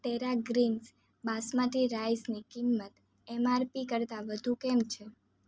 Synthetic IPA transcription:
t̪eɾaɡɾins | basmaʈʰiɾajsnikimːət̪ | ɛmaɾpikəɾt̪aʋəd̪ʱũkɛmt͡ʃʰe

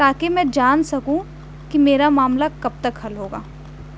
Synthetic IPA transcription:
t̪aːkemɛ̃d͡ʒaːnsɐkũ | kimeːɾamaːmlakɐb̚t̪ɐkhɐlɦoːɡa̰ː

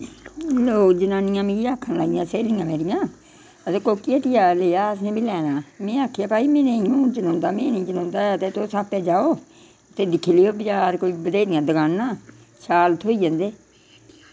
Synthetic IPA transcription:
loːkd͡ʒənãːnɪjãːmeːɾiaːkʰːənlaːijãːseːljãːmeːɾɪjãː | ət̪eːkoːkːieːt̪ɪjaːleːaːəs̬nẽːbʱiːlɛːnaːmɛ̃ːaːkʰejaːpaːiːmẽːnẽiũːd͡ʒənãːnd̪aːmɛ̃ːnĩːd͡ʒənãːnd̪aːət̪eːt̪oːsaːpɛːd͡ʒaːoː | ət̪eːd̪ɪkʰiːleoːbət͡ʃaːɾkoːiːbəd̪eːd̪ɪjãːd̪əɡaːnːãː | ʃaːlt̪ʰoːiːd͡ʒãːnd̪eː

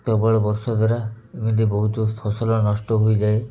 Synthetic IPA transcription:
ʈɔbɔɭɔbɔɾsɔd̪ʱaɾa | emid̪ibɔɦut̪ɔpʰɔsɔlɔnɔsʈɔɦojd͡ʒae

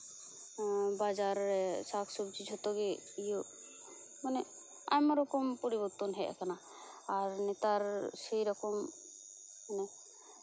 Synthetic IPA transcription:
bad͡ʒaɾːɛsakʰsub̚d͡ʒid͡ʒʱɔt̪ɔɡɛijo | manɛ | a̰jmɔɾɔkɔmpɔɾibɔɾt̪ɔnɦɛʔa̰kanaː | ɾnɛt̪aɾsejɾɔkɔm | manɛ

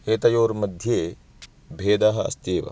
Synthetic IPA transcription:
eːt̪ɐjoːɾmɐd̪ʱjeː | bʱeːd̪aːɦɐɐ̰st̪eːʋɐ̰

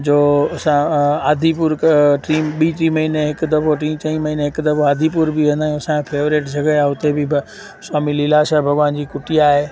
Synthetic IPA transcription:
d͡ʑoːɐsãaːd̪ʱipʊɾkʈiːmɓiːʈɾiːmɐɦiːneɦɪkd̪ɐfʰoʈĩːt͡ɕɐ̃ĩmɐɦiːneɦɪkd̪ɐfʰoaːd̪ʱipʊɾbʱiʋẽːnd̪aːjũɐsãkʰẽpʰeːʋɾeːʈd͡ʑʱɐɡəjaɦʊt̪ebʱɪbʱ | saːmililaːʃabʱɐɡʋaːnd͡ʑiːkʊʈiaːɦeː

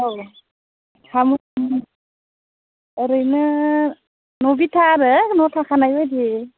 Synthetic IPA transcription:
ow | kʰamu | ɾɯjnɯ | nɔbitʰaɾɯnɔtʰakʰanajɔjdi

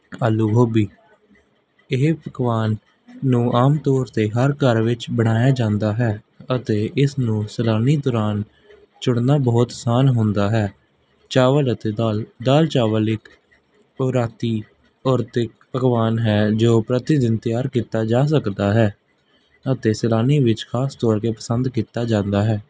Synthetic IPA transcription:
aːlːuːɡʱoːbiː | ɪɦpəkʋaːnː | ũːʔaːmt̪ɔːɾt̪eːɦəɾkəɾʋɪt͡ʃbəɽ̃aːjaːd͡ʒãːnd̪aːɦɛː | ət̪eːʔɪsnũːsəlaːniːd̪ɔːɾaːn | t͡ʃʊɽnaːbɔːt̪saːnɦʊ̃nd̪aːɦɛː | t͡ʃaːʋələt̪eːld̪aːlt͡ʃaːʋəlɪk | əɾaːt̪iː | ɔːɾt̪ɪkpəɡʋaːnɦɛːd͡ʒoːpɾət̪ɪd̪ɪnt̪ɪjaːɾkiːt̪aːd͡ʒaːs̬əkd̪aːɦɛː | ət̪eːsəlaːniːʋɪt͡ʃkʰaːst̪ɔːɾkeːpəsənd̪kiːt̪aːd͡ʒãːnd̪aːɦɛː

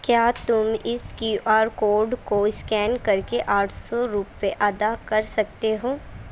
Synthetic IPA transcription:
kjaːt̪ʊmɪskjuːʔaːɾkoːɾɖkoɪskɛːnkɐɾkeʔaːʈʰsɔɾuːpːeʔɐd̪akɐɾsɐkt̪eɦoː

